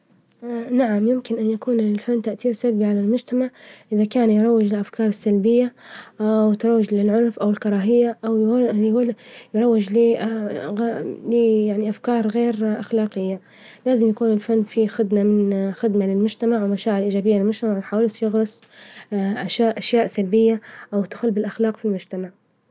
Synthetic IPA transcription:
naʕamjɪmkɪnʔanjakuːnɪlfanːt̪aʔt̪iːɾsalbiʕalalmʊd͡ʒt̪amaʕʔɪðakaːnjɾˤɑwːɪd͡ʒɪlʔafkʰɑːɾˤɪsːalbɪjːaʔawt̪ɾˤɑwːɪd͡ʒlɪlʕʊnfʔawɪlkɑɾˤɑːɦɪjːaʔawj | jɾˤɑwːɪd͡ʒliɣliːjaʕniʔafkɑːɾˤɣeːɾʔaxlaːqɪjːa | laːzɪmjakuːnɪlfanːfixɪd̪mamɪnxɪd̪malɪlmʊd͡ʒt̪amaʕwɪmaʃaːʕɪlʔiːd͡ʒaːbɪjːalɪlmʊd͡ʒt̪amaʕwjħaːwɪlsjɪɣɾˤʊs | ʔaʃaːʔaʃjaːʔsalbɪjːaʔawt̪ḁxʊlbɪlʔaxlɑːqfilmʊd͡ʒt̪amaʕ

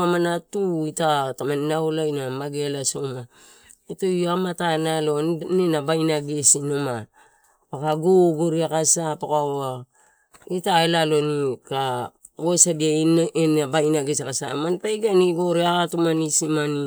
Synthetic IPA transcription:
amanatuitatamaninawlajnamaɡelasoma | itojamatanalo̞nnenabajnaɡesinoma | pakaɡoɡoɾiakasapakaa | itaelalo̞nika | ɡosadianenabajnaɡesakasa̰manpajɡaniɡoɾiakatumanisimani

